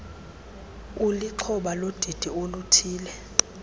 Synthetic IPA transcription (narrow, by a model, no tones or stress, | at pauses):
uliǃʰɔɓalod̥ʱid̥ʱiolutʰiːlɛ